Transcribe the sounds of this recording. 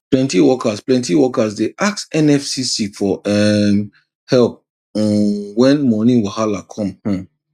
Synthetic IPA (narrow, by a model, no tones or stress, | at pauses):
plɛ̃ntiwɔkasplɛ̃ntiwɔkazdeʔaksɛ̃nɛfsisifɔɛ | hɛlp̚ | wɛ̃nmɔnĩwahalakʰɔ̃mhɔ̃